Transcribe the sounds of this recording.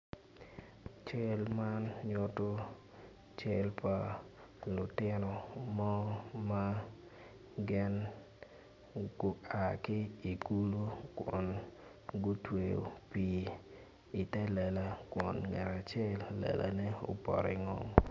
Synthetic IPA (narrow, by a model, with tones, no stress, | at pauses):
t͡ʃɛ˦lma˦nɲo˦to˦ | t͡ʃɛ˦lpa˨ | lʊ˨tɪ˦nɔ˨mɔ˦ma˦ | ɡɪ˦n | ɡʊ˦a˨kɪ˦i˨ɡu˦lu˦kwɔ˨n | ɡo˦twe˨jo̰˨pi˨ | i˨tɛ˦lɛ˨la˨kwɔ˨nŋɛ˨ɾa˨t͡ʃɛ˦lːɛ̰˨la̰˨nɛ˦o̰˨pɔ̰˨ɾi˨ŋɔ̰˦m